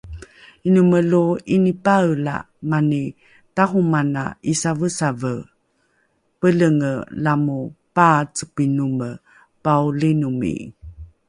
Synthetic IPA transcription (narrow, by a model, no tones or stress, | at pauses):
inuməluinipaəla̰ | mani | taɦumana̰isavəsavə | pələŋə̰lamupat͡səpinumə | paulinumḭ